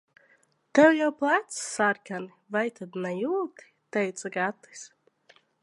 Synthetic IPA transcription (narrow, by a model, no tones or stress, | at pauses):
t̪ɛwjawplˠat̪ssaɾkanivajt̪ʰad̪najuːlt̪i̥t̪ɛjt̪saɡat̪i̥s